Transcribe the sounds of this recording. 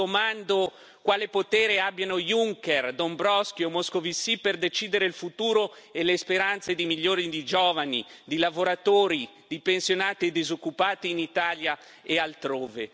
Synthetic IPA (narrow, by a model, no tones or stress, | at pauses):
omand̪o | kwaːlepot̪ɛːɾeabːjanojuŋkerd̪ombɾɔskjomoskovisiperd̪et͡ʃiːd̪eɾeilfut̪uːɾoelespeɾant̪sed̪imiʎːoːɾid̪id͡ʒoːvanid̪ilavoɾat̪oːɾi | d̪̥ipensjonaːt̪ied̪izokːupaːt̪iːnit̪aːlja | ealt̪ɾoːve